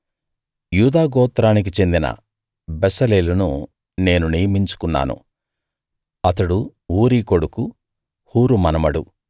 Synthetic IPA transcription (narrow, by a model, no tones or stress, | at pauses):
juːd̪aːɡɔːt̪ɾaːnik̬it͡ʃe̞nd̪inɐ̰ | bɛsɐleːlunu | ne̞ːnunijɐmiɲt͡ʃu̥kunːa̰ːnṵ | ɐt̪ɐɽuuːɾiːko̞ɽuku | huːɾumɐnɐmɐɽu